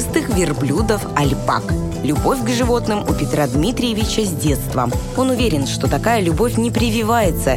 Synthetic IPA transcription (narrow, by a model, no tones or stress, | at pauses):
st̪ɨxvʲɪrblʲud̪əfɐlʲpa̰k | lʲʊbo̞fʲɡʐɨvo̞t̪nɨmʊpʲɪt̪ɾad̪mʲit̪ɾʲɪjɪvʲɪt͡ɕəzʲdʲe̞t̪st̪və̰ | o̞nʊvʲeɾʲɪnʂt̪o̞t̪ɐkajəlʲʊbo̞fʲnʲɪpɾʲɪvʲɪvajɪt̪sə